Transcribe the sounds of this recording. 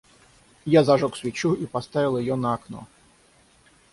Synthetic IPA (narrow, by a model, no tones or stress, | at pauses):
jazaʐɔksvʲɪt͡ɕuipast̪avʲɪlˠjɪjɔnɐːknɔ̰